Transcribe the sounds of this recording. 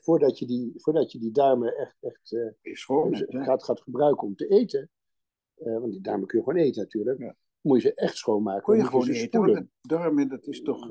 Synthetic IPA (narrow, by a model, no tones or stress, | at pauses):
fʊːɹdɑtjədivʊːɹdɑtjədidarməʔɛχtɛχtsoχaːtχaːtχəbrœɥkəɔmtəejtə | ʋɑnt̚didɑ̰ɹməkɵnjəχʋoːnejtənatyːɹlək | mutjəzəʔɛχtsχowmaːkəjəʋoznəspudəndɔrmədɑtɪstɔχ